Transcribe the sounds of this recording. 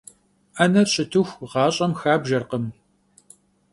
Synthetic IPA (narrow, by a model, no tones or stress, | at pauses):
ʔɐnɐɕʼɪtʰɨxʷʁɑːɕʼɐmxaːbʒɐrqəm